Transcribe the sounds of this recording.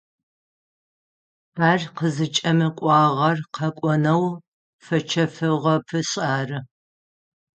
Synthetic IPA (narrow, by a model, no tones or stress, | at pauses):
aːrqəzɨt͡ʃʼɐmɨkʷʼɑːʁɐrqʰɐkʷʼɔnɐw | fɐt͡ʃʰɐfɨʁɐpʰɨɕʼaːrɨ